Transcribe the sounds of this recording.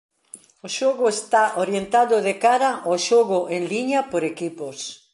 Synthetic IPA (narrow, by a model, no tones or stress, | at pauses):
oʃoɣʊest̪aʔoɾjent̪aðʊðekaɾaʔoʃoɣʊʔeŋliɲɐpoɾekipos